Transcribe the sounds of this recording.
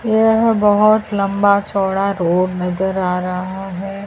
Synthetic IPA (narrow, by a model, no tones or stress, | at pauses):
jeɦbɐɦʊt̪lɐ̃mbat͡ʃɔːɽaɾoːbnɐzəɾaːɾɐɦaɦɛː